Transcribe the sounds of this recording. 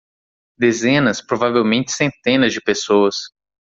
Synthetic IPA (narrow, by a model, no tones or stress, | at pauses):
d̪ezẽnɐspɾovavewmẽnt͡ʃɪ̥sẽnt̪ẽnɐzd͡ʒɪpesoɐs